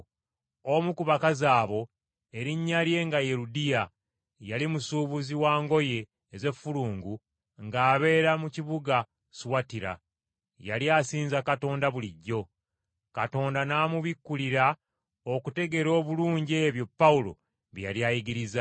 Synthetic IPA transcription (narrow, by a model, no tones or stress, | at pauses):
omukuβakazaːβo̞ | e̞ɾiɲːalje̞ːŋɡaje̞ɾudija | jalimusuːβuziwaːŋɡo̞je̞ː | ze̞fːuluːŋɡu | ŋɡaːβe̞ːɾamuciβuɡa | suwatiɾa̰ | jaljaːsiːnzakato̞ːndaβuliɟːo̞ | kato̞ːndanaːmuβikːuliɾa | okute̞ɡe̞ɾo̞ːβuluːɲɟeːβjo̞pːaulo̞̰ | βjaljajiɡiɾiza